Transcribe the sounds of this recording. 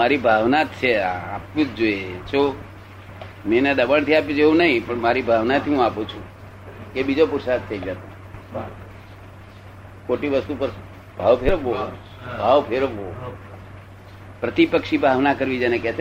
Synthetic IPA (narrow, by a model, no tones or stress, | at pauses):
aɾibʱaʋnat̪t͡ʃʰeaapjũtd͡ʒoet͡ʃʰo | meneɗəbaɳt̪ʰiapjũd͡ʒeũnəɦĩpəɳmaɾibʱaʋnat̪ʰiɦũapũt͡ʃʰũ | kebid͡ʒopuɾsad̪̚t͡ʃʰeid͡ʒat̪o | koʈiʋəst̪upəɾ | bʱaʋpʰeɾʋo | bʱaʋpʰeɾəʋo | pɾət̪ipəkʃibʱaʋnakəɾʋid͡ʒenekɛt̪